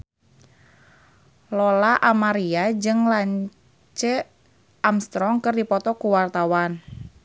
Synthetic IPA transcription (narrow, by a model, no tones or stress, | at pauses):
lɔlaʔamaɾiad͡ʒɨŋlaɲ | t͡ʃə | ʔamst̪ɾɔŋkɨrdipɔt̪ɔkuwart̪awan